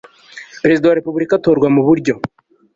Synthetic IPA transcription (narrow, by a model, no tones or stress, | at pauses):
peɾe̞zidawaɾe̞pubuɾikatoːɾɡwamuβuɾɟo̞